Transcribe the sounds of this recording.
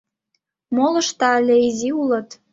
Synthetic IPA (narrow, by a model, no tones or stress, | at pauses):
molɤ̆ʃt̪ɑlʲeizʲiulɤ̆t̪